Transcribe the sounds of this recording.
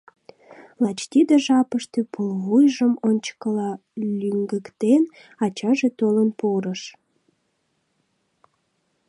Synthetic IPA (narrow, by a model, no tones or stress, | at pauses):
lɑt͡ɕt̪id̪eʒɑpəʃt̪øpʰulβujʒəmonʲt͡ɕə̥kəlɑ | lʲyŋɡəkt̪en | ɑt͡ɕɑʒet̪olənpoɾəʃ